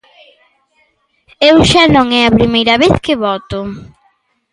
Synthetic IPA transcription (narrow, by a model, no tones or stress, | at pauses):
ewʃanõŋɛɐpɾimejɾɐβeθkɪβɔt̪ʊ